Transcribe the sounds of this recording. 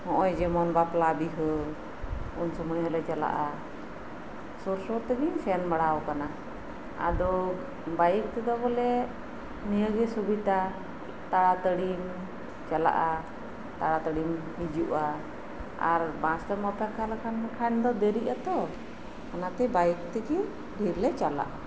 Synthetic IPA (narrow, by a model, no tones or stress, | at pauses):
hɔ̃ʔɔjd͡ʒɛmɔnbaplabiɦə | unsuməjɔlɛt͡ʃala̰ʔa | sɔɾsɔt̪ɛɡiɲsɛnbaɽawkana | a̰d̪ɔ | bajək̚t̪ɛd̪ɔbɔlɛ | nijəɡɛsubit̪a | t̪aɽat̪əɽim | t͡ʃala̰ʔa | t̪aɽat̪əɽim | bid͡ʒuʔa | a̰ɾbãst̪ɛmɔpʰakʰalakʰankʰand̪ɔd̪eɾiʔat̪ɔ | kanat̪ɛbajk̚t̪ɛɡɛ | bʱiɾlɛt͡ʃala̰ʔa